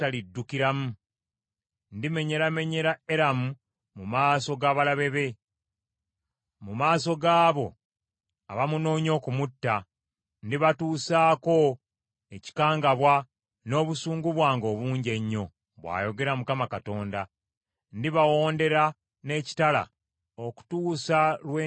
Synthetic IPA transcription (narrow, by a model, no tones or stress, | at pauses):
talidːukiɾamu | ndime̞ɲe̞ɾame̞ɲe̞ɾae̞ɾamu | mumaːso̞ɡaːβalaβe̞βe̞ | mumaːso̞ɡaːβo̞̰ | a̰βamuno̞ːɲo̞ːkumutːa | ndiβatuːsaːko̞ | eci̥kaːŋɡaβwa | no̞ːβusuːŋɡuβwaːŋɡo̞ːβuːɲɟe̞ɲːo̞ | βwa̰ːjo̞ɡe̞ɾamukamakato̞ːnda | ndiβawo̞ːnde̞ɾa | ne̞ːci̥tala̰ | oku̥tuːsalwe